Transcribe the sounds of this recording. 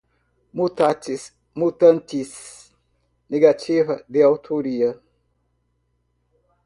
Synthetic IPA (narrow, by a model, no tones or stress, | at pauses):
mut̪atis | mut̪ãnt̪is | neɡat͡ʃivɐd̪ɪawt̪ʰoɾiɐ